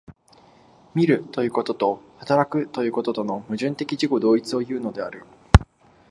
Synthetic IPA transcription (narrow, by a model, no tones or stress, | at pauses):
mʲiɾɯ̟t̪o̞jɯ̟ːko̞t̪o̞t̪o̞hat̪aɾakɯ̟t̪o̞jɯ̟ːko̞t̪o̞t̪o̞no̞mɯ̟ʑɨ̃nt̪e̞kʲiʑiko̞d̪o̞ːit͡sɨo̞jɯ̟ːno̞d̪e̞aɾɯ̟